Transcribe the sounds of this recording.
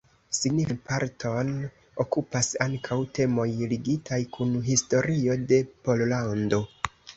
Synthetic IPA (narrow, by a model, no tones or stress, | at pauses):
siɡninpaɾtʰo̞n | okupasaŋkʰawte̞mo̞jliɡitʰajkʰunɦisto̞ɾio̞de̞po̞llando̞